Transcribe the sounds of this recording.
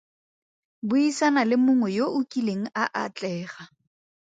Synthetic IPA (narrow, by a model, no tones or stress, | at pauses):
bʊisanalɪmʊŋwɛjoʔʊkʼileŋ̩aʔat͡ɬʼɛːχa